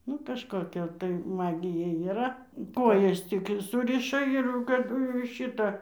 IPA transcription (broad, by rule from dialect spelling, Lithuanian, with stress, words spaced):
ˈnʊ kɐʃkoːˈkʲɛ tɐɪ ˈmɑːɡʲɪjɛ iːˈrɐ ˈkoːjɛs ˈtʲɪk ˈsʊrʲɪʃɐ ɪr jɛʊ kɐˈdʊ jɛʊ ɪr ˈʃʲɪtɐ